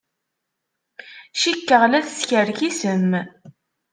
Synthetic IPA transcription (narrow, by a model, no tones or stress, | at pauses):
ʃikːəʁlæθsçəɾçisəm